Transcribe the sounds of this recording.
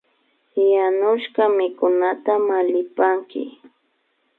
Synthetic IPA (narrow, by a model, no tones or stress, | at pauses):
ɪjanʊʃkamɪkʊnat̪amalɪpaŋkɪ̰